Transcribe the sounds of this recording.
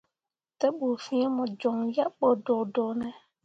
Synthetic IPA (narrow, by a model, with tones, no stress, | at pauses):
tɛ˦bu˨fĩ˦ɛ˦mʊ̃˨d͡ʒɔ˨ŋja˦k͡pɔ˨dɔ˨dɔ˨nɛ˨